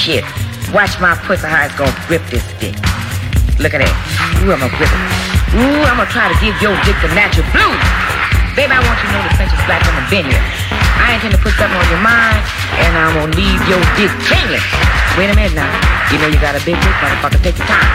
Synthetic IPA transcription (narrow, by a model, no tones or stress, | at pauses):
ʃɪt̚wɑt͡ʃmaɪpʰʊt̪səhaɪzɡõɡɹɪp̚ðɪsd̥ɪ̰k | lʊkɨt̚ɨ̰t̚uãɪməɡɹɪpɨ̃uãɪ̃m̃ˠtʰɹ̥aɪɾɨɡɪvjəɡɪk̚ðɨnæt͡ʃɹ̩ˠblu | b̥eɪbiaɪwɑ̃nt͡ʃɨnoʊðɨpʰɛ̃nsɨzb̥lækfʌ̃mɨvɪ̃njə̰˞ | aɪɨ̃ntʰɛ̃ntʰɨpʰʊtsʌ̃θɪ̃ŋʌ̃njə˞mãɪ̃nd | ʔɨ̃nãɪ̃mə̃livjədɪɡ̚kʰɪ̃ŋjɨ̰sweɪɾɨ̃mɪ̃najɨnoʊjɨɡɑɾɨbɪɡ̚ɪk̚ɹʌ̃nɨ̃fʌk̚ɨtɪ̃tɨ̥tʰãɪ̃m